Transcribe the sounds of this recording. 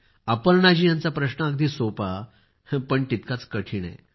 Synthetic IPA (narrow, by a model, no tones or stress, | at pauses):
apəlnad͡ʑiːjãnt͡sapɾəɕɳəəɡd̪ʱiːsopa | pəɳt̪it̪kat͡skəʈʰiːna̰j